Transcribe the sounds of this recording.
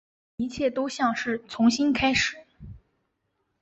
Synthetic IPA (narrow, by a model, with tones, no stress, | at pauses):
i˧˥t͡ɕʰjɛ˥˩t̪o˥ʊɕjɑ˥˧ŋʂɻ̩˥˩t͡sʰʊ˧˥ŋɕi˥nkʰa˥ɪʂɻ̩˨˩˦